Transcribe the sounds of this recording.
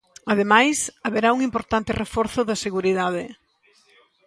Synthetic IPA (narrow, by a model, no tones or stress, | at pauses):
ɐðemajsɐβeɾauŋimpoɾt̪ant̪ɪrefɔɾθʊðɐseɣuɾiðaðɪ